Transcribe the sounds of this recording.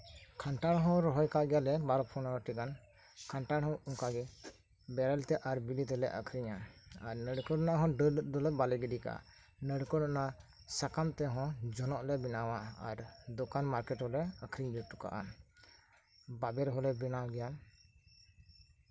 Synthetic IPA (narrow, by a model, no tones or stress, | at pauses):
kʰaɳʈaɽɦɔ̃ɾɔɦɔjkaʔɡɛjalɛbaɾɔpʰɔnaʈikan | kʰaɳʈaɽɦɔ̃uŋkaɡɛ | bɛɾɛlt̪ɛʔaɾbilit̪ɛlɛ̰ʔəkʰɾiɲaaɾnəɽkəɽɔnaɦɔ̃ɖəld̪ɔlɛbalɛɡɛɖika̰ʔa̰ | nəɽkəɽɔna | sakamt̪ɛɦɔ̃d͡ʒɔnɔʔlɛbinawaaɾd̪ɔkanmaɾkɛʈhɔlɛəkʰɾiɲd͡ʒuʈːuka̰ʔa̰ | babɛɾɦɔlɛbinalɡɛjan